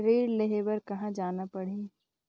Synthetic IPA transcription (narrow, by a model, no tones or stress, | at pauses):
ɾeːɾleɦeʋəɾkɐɦãd͡ʒaːnapɐɽ̤eː